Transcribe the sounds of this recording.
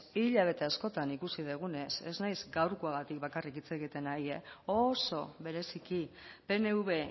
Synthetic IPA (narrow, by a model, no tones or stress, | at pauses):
iʎaβ̞e̞t̪e̞asko̞t̪anikusiðeɣ̞une̞se̞znajzɡawrkuaɣ̞at̪ik̚bakarikit͡se̞ɣ̞it̪e̞najeoso̞βe̞ɾe̞sikipe̞ne̞uβe̞